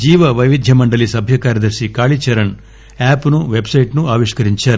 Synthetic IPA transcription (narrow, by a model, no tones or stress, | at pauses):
d͡ʒiːʋɐʋɐjʋid̪ʱjɐmɐɳɖɐlisɐbʱjɐkaːɾjɐd̪ɐɾʃikaːɭit͡ʃɐɾɐn | aːpnuʋebsɐjʈnuaːʋiʂkɐɾiɲt͡ʃɐɾ